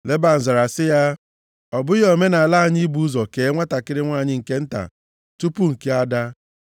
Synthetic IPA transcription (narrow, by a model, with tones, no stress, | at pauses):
le˦ba˦˨n̩˨za˨ɾa˨sɪ˦ja˦ | ɔ˨bʊ˦jo˨me˦na˨a˨la˦˨ɲi˦i˦bu˦zɔ˨ke˨˦ŋʷa˦ta˨kɪ˦ɾɪ˦ŋʷa˦˨ɲɪ˦ŋ̩˨ke˦n̩˦ta̰˨ | tu˦pu˦ŋ̩˨ke˦a˦da˦